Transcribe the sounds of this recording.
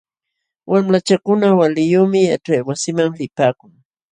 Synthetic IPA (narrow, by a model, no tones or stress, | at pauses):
wʔamlat͡ʃakʊnawalɪjoːmɪja̰ʈ͡ʂajwasɪmaŋlɪpaːkʊŋ